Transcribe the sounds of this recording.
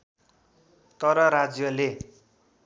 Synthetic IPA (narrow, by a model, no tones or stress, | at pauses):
t̪ʌɾʌɾad͡zjʌle